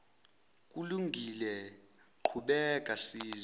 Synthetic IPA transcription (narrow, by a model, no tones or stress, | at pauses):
k̬ʼuluŋɡʱilɛ | kʰuɓɛkʼasiːz